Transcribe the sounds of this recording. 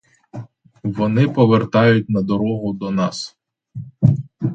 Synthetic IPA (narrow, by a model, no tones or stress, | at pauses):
ʋɔnɪpɔʋert̪ɑjʊt̚ʲnɐd̪ɔɾɔɦʊd̪ɔnɑs